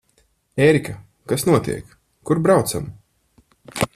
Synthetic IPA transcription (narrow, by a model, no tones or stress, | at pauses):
eːɾika | kasnuɔt̪ḭɛkː | uɾbɾawt̪sa̰m